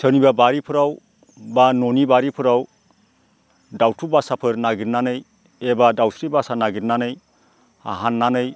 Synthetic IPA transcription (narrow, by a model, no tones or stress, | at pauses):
sʰɯnibabaɾipʰɯɾaw | banonibaɾipʰɯɾaw | dawtʰubasapʰɯɾnaɡiɾnanɯj | ebadawsɾibasanaɡiɾnanɯj | a̰ɦanːanɯj